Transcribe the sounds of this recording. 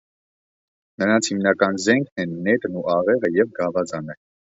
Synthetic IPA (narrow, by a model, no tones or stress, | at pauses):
nəɾɑnt͡sʰhimnɑkɑnzɛŋkʰnɛnːɛt̪nuʔɑʁɛʁəjɛvɡɑvɑd͡zɑnə